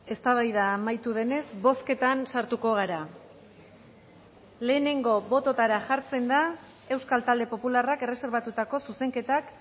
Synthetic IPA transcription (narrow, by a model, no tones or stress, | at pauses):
e̞st̪aβ̞ajðamajt̪uðe̞ne̞zbo̞ske̞t̪ansaɾt̪uko̞ɣ̞aɾa | le̞ːne̞ŋɡo̞βo̞t̪o̞t̪aɾaʝaɾt͡se̞nd̪a | e̞wskalt̪ald̪e̞po̞pularake̞re̞se̞ɾβ̞at̪ut̪ako̞suse̞ŋke̞t̪ak